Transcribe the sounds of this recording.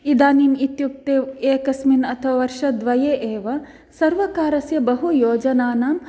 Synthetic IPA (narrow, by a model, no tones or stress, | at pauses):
id̪aːniːmit̪juk̚t̪eːeːkɐsminɐt̪ʰɐʋɐʋɐɾʃɐd̪ʋɐjeːʔeːʋɐ | sɐɾʋɐkaːɾɐsjɐbɐɦujoːd͡ʒɐnaːnaːm